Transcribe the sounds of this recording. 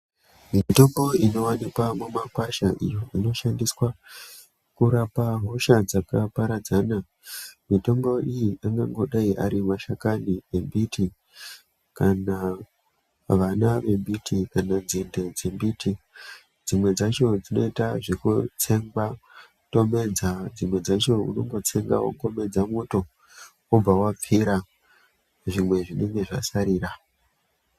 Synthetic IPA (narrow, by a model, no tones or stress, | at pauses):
mito̞mbo̞ino̞wanikwamumakwaʃaʔḭjo̞ino̞ʃandiswa | kuɾapaɦo̞ʃad͡zakapaɾad͡zana | mito̞mbo̞ijiʔaŋɡaŋɡo̞ɗaiʔa̰ɾimaʃakanie̞mbitʰi | kana | ʋanaʋe̞mbitʰikanand͡zinde̞d͡zembiːti | d͡zimwe̞d͡zat͡ʃo̞d͡zino̞itaʐikut͡se̞ŋɡa | to̞me̞d͡zad͡zimwe̞d͡zat͡ʃo̞ṵno̞̰ŋɡo̞t͡se̞ŋɡa̰wo̰ko̞me̞d͡zamuto̞ | ob͡vawap͡fiɾa | ʐimwe̞ʐine̞ŋɡe̞ʐa̰saɾiːra